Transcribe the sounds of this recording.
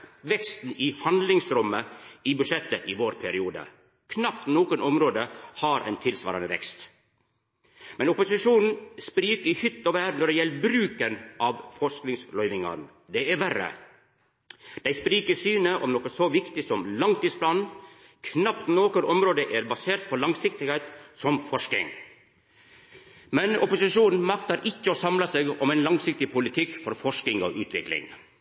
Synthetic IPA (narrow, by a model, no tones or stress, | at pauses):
ʋɛkst̪n̩ɪhɑnd̪lɪŋsɾœmːəɪbʉʂɛt̪ːəʔɪʋoːɾpʰæɾɪuːd̪ə̰ | kʰnɑp̚t̪noːkənʔɔmɾoːd̪əhɑɾʔɛ̰ɪnt̪ʰɪlsʋɑ̰ːɾɑnəʋɛ̰kst̪ | mɛnʊpʊsɪʂuːnn̩spɾiːkəəhʏt̪ːɔʋæːɾnɔɖɛjɛlːəbɾʉːkənʔɑʋfɔsknɪŋslœʏʋɪŋɑ̰n | d̪ɛæɾʋæɾə̰ | d̪̥æɪspɾiːkəsyːnəʔɔmnɔkːəsɔʋɪkt̪ɪsɔmlɑŋt̪iːspʰlɑːnn | kʰnɑpt̪noːkəɾʔɔmɾoːd̪əʔæɾbɑseːɾt̪̚pʰɔlɑŋsɪk̚t̪ɪheːt̪sɔmfɔʂkɪ̰ŋ | mɛnɔ̰pʊsɪʂuːnn̩mɑkt̪ɑɾʔɪçːəɔsɑmlɑsɛːɡɔmæɪnlɑŋsɪk̚t̪ɪpʰʊlɪt̪ʰɪkːfɔɾfɔʂknɪŋɔ̰ʔʉːt̪ʰʋɪklɪ̰ŋ